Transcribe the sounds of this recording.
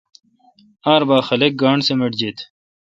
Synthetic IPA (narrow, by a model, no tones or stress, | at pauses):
aːɾbaːxɐlek̚ɡaːɳsemeʈd͡ʑet̪ʰ